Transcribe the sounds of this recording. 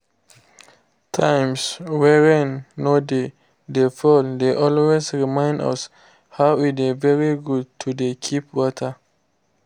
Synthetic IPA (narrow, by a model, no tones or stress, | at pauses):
tʰãɪ̃mswɛɹɛ̃nːode | defɔldeʔɔlwezɹimãɪ̃ndʌ̰s | haʊitɛvɛɹiɡud̚tʰudekʰipwɔtʰə